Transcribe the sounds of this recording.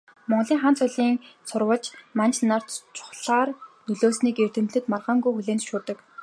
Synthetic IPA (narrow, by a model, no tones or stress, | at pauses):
mɔɴɮiːŋχaːnt͡sʰʊɮiːŋt͡sʰʊrwə̆ɮt͡ɕmant͡ɕnar̥t̪t͡ɕʰʊ̥χɮaːrnɵɮoːsniːkert̪ɘ̆mɮɘ̆t̪marʁaːŋɡujxuɮeːnt̪ʃʊːt̪ə̆k